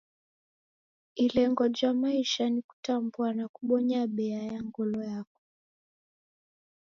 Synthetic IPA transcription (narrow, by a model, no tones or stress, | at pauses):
ilɛŋɡɔd͡ʒamaiʃaniku̥tambuanakuɓɔɲaɓɛajaŋɡɔlɔjakɔ̥